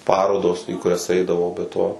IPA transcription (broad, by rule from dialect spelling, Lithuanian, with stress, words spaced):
ˈpɑːroːdoːs iː kʊˈrʲɛs ˈɐɪdɐʋɐʊ bʲɛ ˈtoː